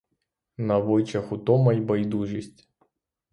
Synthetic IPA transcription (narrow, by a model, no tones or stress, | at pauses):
nɐvɔjt͡ʃɐxʊt̪ɔmɐjbɐjd̪uʒisʲtʲ